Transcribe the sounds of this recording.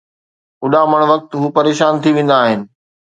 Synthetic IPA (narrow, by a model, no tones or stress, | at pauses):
ʊɗamɐɽ̃ʋɐk̚t̪ɦuːpɐɾeːʃaːnt̪ʰiʋẽːn̆d̪aːɦɪnɪ̆